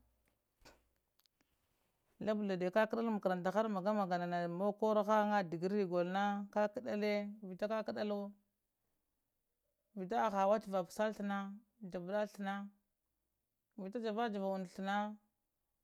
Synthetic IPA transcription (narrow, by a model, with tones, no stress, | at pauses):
la˦bu˨la˨de˨ka˦ka˦ɗa˦lma˨ka˨ɾa˨nta˨xa˦ɾma˨ɡa˦ma˨ɡa˨na˨na˨mo˦ko˦ɾa˦xa˦ŋa˦di˨ɡi˦ɾi˨ɡo˨lna˦ka˦ki˦ɗa˦le˦vi˨ta˦ka˦ka˦ɗa˦lo˦ | vi˨t̬a˦˨xa˨wa˦t͡ʃi˨va˨psa˦lɬə˨na˦ | d͡ʒa˨bda˦ɬi˨na˦ | vi˨ta˦d͡ʒa˨va˦d͡ʒa˨va˨u˨n˨ɬu˨na˦